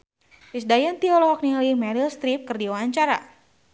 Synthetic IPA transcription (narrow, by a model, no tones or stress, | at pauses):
fisdajant̪iɔlɔɦɔk̚nilimɛɾilst̪ɾip̚kɨrdiwaːɲt͡ʃaɾa̰